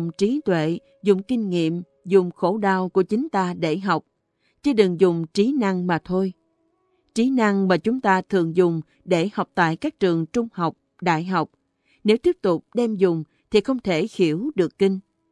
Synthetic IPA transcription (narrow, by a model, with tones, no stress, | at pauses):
ŋ͡mt͡ɕi˨˦t̪wḛ˧˨ | zʊ˨˩ŋ͡mkï˧ŋ̟ŋḭ˧˨əm | zʊ˨˩ŋ͡mxo˧˩ɗaː˧˩wku˧˩ət͡ɕï˨˦ŋ̟t̪aː˧ɗe˧˩ɦa˨˩wk͡p̚ | t͡ɕi˧˦ɗɨ˨˩ŋzʊ˨˩ŋ͡mt͡ɕi˨˦na˧ŋmaː˨˩t̪ʰo˧j | t͡ɕi˨˦na˧ŋmaː˨˩t͡ɕʊ˨˦ŋ͡mt̪aː˧t̪ʰɨ̰˨əŋzʊ˨˩ŋ͡m | ɗe˧˩ha˨˩wk͡p̚t̪a̰ː˧˨jkaː˦˥k̚t͡ɕɨ˨˩əŋt͡ɕʊ˧ŋ͡mha˨˩wk͡p̚ | ɗa̰ː˧˨jɦa˨˩wk͡p̚ | ne˨˦wt̪i˦˥əp̚t̪ʊ˨˩k͡p̚ɗɛ˧mzʊ˨˩ŋ͡m | t̪ʰi˨˩xə˧wŋ͡mt̪ʰe˧˩xi˧˩əwɗɨ˨˩əkːï˧ŋ̟